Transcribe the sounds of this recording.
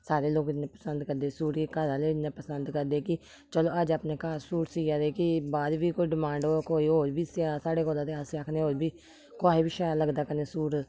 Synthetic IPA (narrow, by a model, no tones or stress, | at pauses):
saːɾeːloːɡnẽːpəsənd̪kəɾd̪eːsuːɾikəɾaːleːnẽːpəsənd̪kəɾd̪eːkɪ | t͡ʃəloːəd͡ʒaːpneːkaːɾsuːʈsiːaːd̪eːkɪbaːd̪ʋiːkoːiːɖɪmãːɳɖoːkoːiːɦoːɾbiːsɪaːsaːɽeːkoːlãːt̪eːaːseakʰneːɦoːɾbiː | koaːɦiːbiːʃaːjaləɡd̪aːkəneːsuːɾ